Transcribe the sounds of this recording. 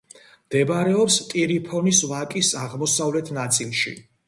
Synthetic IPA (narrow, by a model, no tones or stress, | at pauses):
md̪̥ɛbɾɛɔpst̪ʼiɾipʰɔnisvakʼisaʁmɔsavlɛt̪ʰnat̪sʼilˠʃḭ